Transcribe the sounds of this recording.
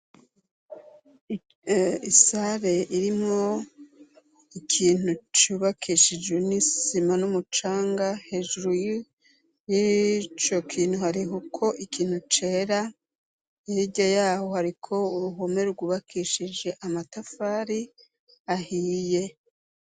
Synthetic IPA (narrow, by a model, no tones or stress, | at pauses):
isaɾe̞iɾimŋo̞ | ikʰiːn̥ut͡ʃuːβakʰiʃid͡ʒwe̞nisimanumut͡ʃaːŋɡahe̞ːʒuɾuji | jit͡ʃo̞kʰiːn̥huhaɾiɦukʰo̞ʔikʰiːn̥hut͡ʃe̞ːɾa | ijiɟajaːho̞haɾikʰo̞uɾuɦome̞ɾɡuːβakʰiʃid͡ʒe̞ʔamatafaɾi | ahiːje̞